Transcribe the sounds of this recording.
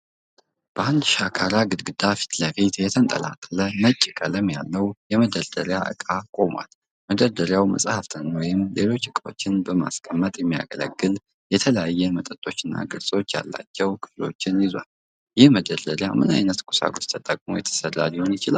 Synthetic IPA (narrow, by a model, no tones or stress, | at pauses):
b̥əʔand̪ʃakʰaɾaɡɨd̪ɡɨd̪afi̥t̪ləfet̪jɛt̪ʰənt̪ʼə̰lat̪ʼːələmət͡ʃʼːɪkʼələmjalːəwjɛməd̪əɾd̪əɾjaʔɨ̰kʼakʼo̞mwa̰l | məd̪əɾd̪əɾjawmə̰sʼhaft̪ʰənwɔjɪmle̞lo̞t͡ʃːɨkʼo̞t͡ʃːɪnbəma̰skʰʼəmːət̪ʼjɛmːija̰ɡələ̰ɡːɨl | jɛt̪ʰələjajːɛmət̪ʼət̪ʼo̞t͡ʃːɪnːa̰ɡɨɾsʼo̞t͡ʃːja̰lːa̰t͡ʃːɛwkʰɨβlo̞̰t͡ʃːɪnjɪzwal | jɪhməd̪əd̪əɾjamɨna̰jnət̪kʷʼu̥sa̰ɡot͡ʃt̪ʰət̪ʼəkʼmo̞̰jɛt̪ʰə̥sərːa̰ljɛhonjɪt͡ʃɪlal